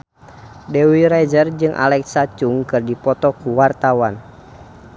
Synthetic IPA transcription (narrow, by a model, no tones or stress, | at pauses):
dɛwiɾad͡ʒərd͡ʒɨŋʔa̰lɛksat͡ʃuŋkɨrdipɔt̪ɔkuwart̪awan